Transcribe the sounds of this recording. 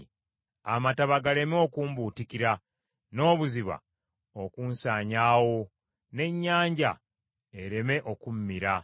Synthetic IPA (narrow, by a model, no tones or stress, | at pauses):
amataβaɡale̞mo̞kuːmbuːtikiɾa | no̞ːβuziβa̰ | okuːnsaːɲaːwo̞ | ne̞ɲːaːɲɟa̰ | eɾe̞me̞ʔo̞kummiɾa